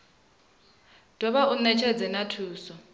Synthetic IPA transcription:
d̥ʱʼɔβaʔunɛt͡ʃʰɛd͡zɛnatʰuːsɔ

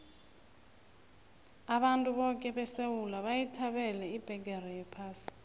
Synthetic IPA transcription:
aɓantʼuɓɔkʼɛɓɛsewulaɓajitʰaɓɛlɛib̥ʱɛɡ̬ʼɛrɛjɛpʰaːsi̥

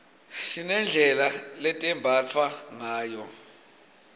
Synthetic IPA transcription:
ʃinɛnd͡ɮʱɛlalɛtʼɛmbʱat͡fʰwaŋaːjɔ

